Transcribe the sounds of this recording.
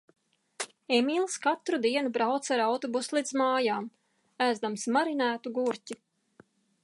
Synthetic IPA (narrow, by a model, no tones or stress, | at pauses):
emʲilˠskat̪ɾud̪iɛnubɾawt̪saɾawt̪ɔbuslˠid̪zmaːjaːm | æzd̪amsmaɾinæːt̪uɡuɾcʲi